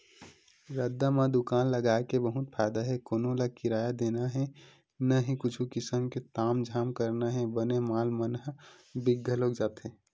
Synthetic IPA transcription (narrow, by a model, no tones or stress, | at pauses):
ɾəd̪ːamãd̪ʊkaːnləɡaekebəɦut̪̚pʰaːjd̪aɦɛkoːnolakiɾaːjad̪enaɦɛ̃ | nəɦikʊt͡ʃʰukɪsəmket̪aːmd͡ʒʱaːmkəɾnaɦɛ̃bənemaːlmənɦbiɡʱːəlokd͡ʒaːt̪ɦẽ